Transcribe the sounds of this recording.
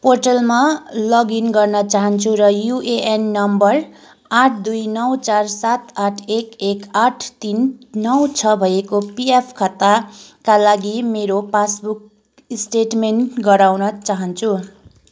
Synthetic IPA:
porʈʌlmalʌɡinɡʌrnʌt͡saɦʌnt͡sʰuɾʌjuʔeʔenːʌmbʌr | aʈʰd̪ujnʌwt͡sarsat̪aʈʰekekaʈʰt̪inːʌwt͡sʰʌbʱʌjekopiepʰkʰʌt̪ːakalaɡimeɾopasbuk̚ | isʈeʈmenʈɡʌɾawnʌt͡saɦʌnt͡sʰu

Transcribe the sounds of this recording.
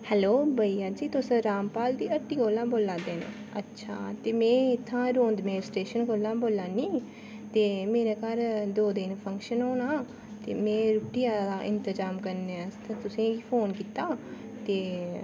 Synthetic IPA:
hɛloːbəiːaːd͡ʒiːt̪ʊsə̃ɾaːmpaːld̪iːəʈːiːɡoːlːãːboːlːãːd̪eːnḛ | ə̰tːʃʰa̰ːt̪eːmɛ̃ːɪt̪ʰːãːɾoːnd̪meːɪsʈɾeːʃənɡoːlːãːboːlːaːniː | t̪eːmeːɾeːkəɾd̪oːd̪ɪnpʰə̃ŋkʃənɦoːnaː | t̪eːmẽːɾʊʈɪjaːd̪aːʔɪnt̪əd͡ʒaːmkəɾnest̪ãːt̪ʊsĩːipʰoːnkiːt̪aː | t̪eː

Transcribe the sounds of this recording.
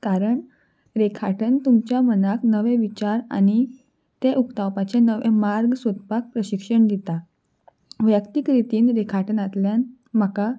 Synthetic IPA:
kaɾəɳ | ɾekʰaʈənt̪umt͡ɕjamənaknəʋẽʋit͡ɕaɾa̰ñi | t̪eʔukt̪awpat͡ɕenəʋẽmaɾɡsət̪pak̚pɾəɕikʂəɳd̪it̪a | ʋjəkt̪ikɾit̪iːnɾekʰaʈənat̪ljan | m̤əka

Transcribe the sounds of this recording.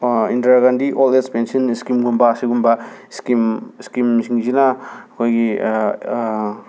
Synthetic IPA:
intaɾɡandiʔolespensiɔniskimɡumbasiɡumbaskimskimsʰiŋzinaːkʰojɡi

